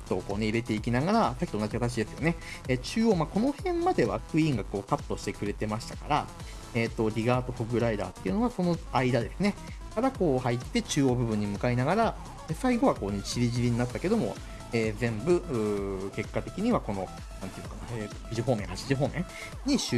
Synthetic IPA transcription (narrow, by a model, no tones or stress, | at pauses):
t̪ːo̞ːkoːne̞iɾe̞t̪e̞ikʲinaɡaɾasakʲi̥t̪onad͡ʑikat̪at͡ɕid̪e̞sɨ̥jo̞ne̞et͡ɕɨːoːmako̞no̞hẽ̞mmːad̪e̞βa̰kɯ̟ĩŋɡako̞ːkat̪ːo̞ɕi̥t̪e̞kɯ̟ɾe̞t̪e̞maɕi̥t̪akaɾa | eːt̪ːo̞ɾʲiɡaːt̪o̞ɸoɡɯ̟ɾaid̪a̰ːt̪ːeiɯ̟no̞aso̞no̞aid̪ad̪e̞sɨne̞ | kaɾako̞ːhait̪ːe̞t͡ɕɨːo̞ːbɯ̟bɯ̟̃ɲ̟ːimɯ̟kainaɡaɾa | esaiɡo̞β̞ako̞ːnet͡ɕiɾʲiʑiɾʲiɲ̟inat̪ːake̞d̪o̞mo̞̰ | eːzẽ̞mbɯ̟ɯːke̞kːat̪e̞kʲiɲ̟iβako̞no̞ | nãnt̪ejɯ̟kanaeçiʑiɦo̞ːmẽ̞ɰ̃hat͡ɕiʑiɦo̞ːmẽ̞ŋ | ɲ̟iɕ